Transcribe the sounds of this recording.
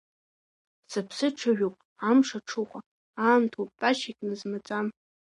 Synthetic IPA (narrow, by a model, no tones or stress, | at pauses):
sɨpʰsɨʈ͡ʂʰaʒᶣopʼ | amʂaʈ͡ʂʰuχʷa | aːmtʰopʼpʼaʃekʲʼnɨzmat͡sʼam